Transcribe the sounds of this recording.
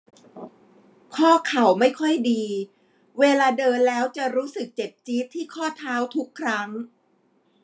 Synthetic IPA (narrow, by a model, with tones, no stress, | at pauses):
kʰɔː˥˩kʰa˨˩wma˥˩jkʰɔ˥˩jdiː˧ | weː˧laː˧dɤː˧nlɛː˦˥wt͡ɕa˨˩ɾuː˦˥sɯ˨˩k̚t͡ɕe˨˩p̚t͡ɕiː˦˥t̪ʰːiː˥˩kʰɔː˥˩t̪ʰaː˦˥wt̪ʰu˦˥kʰːɾa˦˥ŋ